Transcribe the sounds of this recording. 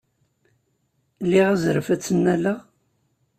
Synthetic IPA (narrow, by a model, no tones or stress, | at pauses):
lːiʁæzɾəfæt͡sːənːælæ